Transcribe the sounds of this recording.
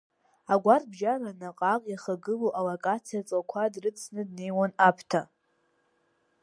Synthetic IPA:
aɡʷarbʒaranaqʼakʼjaχaɡɨloʔalakʼat͡sʰijat͡sʼakʷʰadrɨt͡sʰnɨdne̞jwanapʰtʰa

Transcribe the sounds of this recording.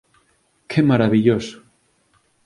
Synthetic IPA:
kʰemaɾaβiʎosʊ̥

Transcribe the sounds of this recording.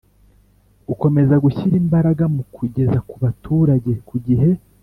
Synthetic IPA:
uko̞me̞zaɡuçiɾiːmbaɾaɡamukʰuɟe̞zakuβatʰuɾaɟe̞kuɟiɦe̞

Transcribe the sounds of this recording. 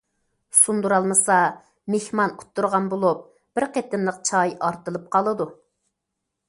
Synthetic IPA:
sund̪uɾɑlˠmɨsɑ | mehmɑnu̥t̪ːuɾʁɑnbolˠup̚ | b̥ɪɾqet̪ɪnlˠəq̚t͡ʃʰɑjʔɑɾt̪ɨlˠɨp̚qʰɑlˠɨd̪u

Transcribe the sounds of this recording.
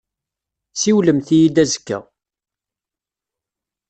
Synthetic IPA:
siwləmθijid̪æzə̥kːæ̰

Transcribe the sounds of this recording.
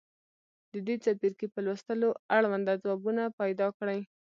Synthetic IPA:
d̪əd̪et͡sapiɾkepəlwəst̪əloaɽwand̪ad͡zwɑbunapajd̪ɑkɽaj

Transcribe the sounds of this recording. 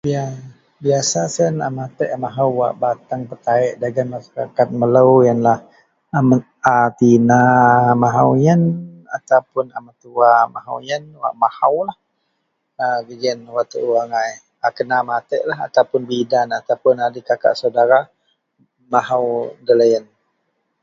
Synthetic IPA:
bia | biasasənamat̪əʔmaɦawːa̰ʔbat̪aŋpərkaɪʔdaɡanmaʃaɾa̰kat̪̚mələwjanlah | ama | at̪inamaɦawjəna̰t̪awpʊnamat̪uamaɦa̰wjənwa̰ʔmahawlah | əɡəɡənwaʔt̪əʔuwaŋaj | akənamat̪əʔlaɦa̰t̪awpʊnbidanat̪awpʊnadikaka̰ʔsawdaɾa | maɦawdələjən

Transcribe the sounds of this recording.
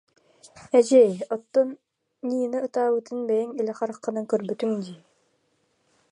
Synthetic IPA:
ɛd͡ʑɛɔt̪ːɔnː | iːnɯɯt̪aːbɯt̪ɯnbɛjiŋilʲɛχaɾɯqːɯnɯŋkœɾbyt̪yŋd̪iː

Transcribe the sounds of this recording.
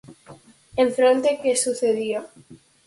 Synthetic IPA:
eɱfɾont̪ekesuθeðio

